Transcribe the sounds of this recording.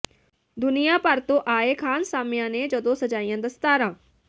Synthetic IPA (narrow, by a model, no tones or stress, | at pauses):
d̪ʊnɪjãːpəɾt̪õːʔaːeːkʰaːnsaːmɪjãːneːd͡ʒəd̪õːsəd͡ʒaːijãːd̪əst̪aːɾãː